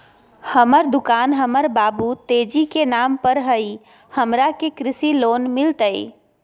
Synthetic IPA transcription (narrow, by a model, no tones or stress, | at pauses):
həməɾd̪ʊkaːnɦəməɾbaːbut̪eːd͡ʒikenaːmpəɾɦəi | həmɾakekɾɪsiloːnmɪlt̪əḭ